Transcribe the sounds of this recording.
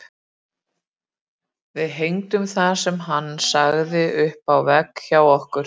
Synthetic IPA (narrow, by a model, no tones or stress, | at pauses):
vɪðɦejŋt̪ʏmθasɛmɦanːsaɣðɪʔʏhpawvɛkçawɔhkʏɾ̥